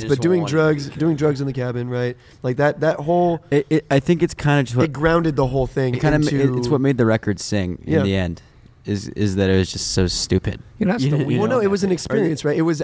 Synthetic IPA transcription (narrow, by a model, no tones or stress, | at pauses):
b̥ʌt̚d̥ʉɪ̃ŋdɹʌɡzdʉɪ̃ŋdɹʌɡz̃n̩ðɨkʰæbɨ̃nɹaɪt̚ | laɪk̚ðɨt̪̚ðɨt̚ɦoʊlˠɪɪaɪθɪ̃ŋkɨtskʰãɪ̃ndɨd͡ʒʌst̚wɨt̚ɡ̥ɹãʊ̃ndɨd̪̚ðəɦoʊlˠθɪ̃ŋkʰãɪ̃ndɨɪswʌt̚meɪd̪̚ðɨɹɛkə˞dz̥sɪ̃ŋɨ̰̃ænðiɛ̃nd | ɪzɪ̰zðɨɾɨt̚wʌzd͡ʒʌstsoʊstʉpɨ̰d̥̚ɨ̃nːoʊɨt̚wʌzn̩ɨkspɪɹiɨ̃nsɹaɪɾɨt̚wʌz